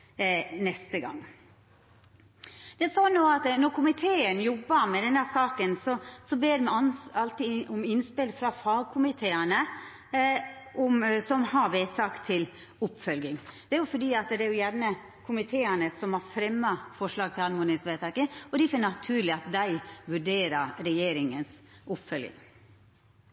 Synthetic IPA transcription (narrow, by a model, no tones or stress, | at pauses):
nɛst̪əɡɑ̰ŋː | d̪̥ɛæsɔːnoːɑt̪nɔkʰʊmɪt̪ʰeːənjɔbːəɾmɛd̪ɛnd̪æsɑːkənsɔsɔbeːɾmɛnɑlt̪ɪʊmɪnspɪlfɾɑfɑːɡkʰʊmɪt̪ʰeːənə | ʔɔmsɔmhɑɾʋeːt̪ʰɑkt̪ʰɪl | ʊpːfœlɡɪŋd̪ɛæɾjʊfɔɖiːɑt̪d̪ɛæɾjʊjæɾnə | kʰʊmɪt̪ʰeːənəsɔmhɑɾfɾɛmːɑfɔʂɭɑːɡ̚t̪ʰɪlɑnmʊnɪsʋeːt̪ʰɑkəɔd̪ɪfɔnɑt̪ʰʉːɾlɪɑt̪̚d̪æɪʋʉɖeːɾəɾɾɛjeːɾɪŋənsʊpːfœlɡɪ̰ŋ